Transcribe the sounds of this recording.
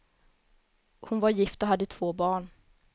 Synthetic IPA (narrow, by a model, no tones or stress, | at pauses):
hʊnvaɾjɪft̪ɔɦad̪ːət̪ʰv̥oːbɑːɳ